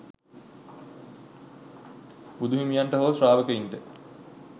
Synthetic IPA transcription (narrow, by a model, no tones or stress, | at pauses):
bud̪uɦimijaɳʈəɦoːsraːʋəkəinʈə